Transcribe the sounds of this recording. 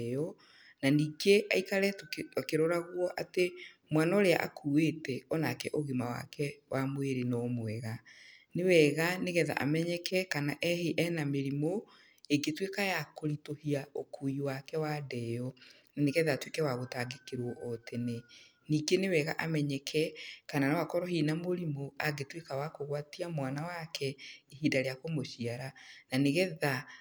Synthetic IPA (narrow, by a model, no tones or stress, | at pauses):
ɔ | naniːɡeʔa̰ikaɾɛtakeɾɔɾaɣwɔʔate | mwanɔɾea̰ʔa̰kʰuwetɛɔnakɛʔoɣimawa̰kɛwʔamweɾenɔmwɛɣanewɛɣaneɣɛða̰ʔa̰mɛɲɛkʰɛkanaʔɛheʔɛnameɾimo | eɡetwekajakoɾitohiaokuiwakɛwadɛjɔ | naneɣɛðatwekɛwaɣotaːɡekeɾwɔʔɔtene | niːɡenewɛɣa̰ʔamɛɲɛkʰɛkananawakɔɾɔɦinamoɾimoaɡetwekawakoɣwatiamwanawakʰɛiɦiːdaɾeakomoʃiaɾananeɣɛða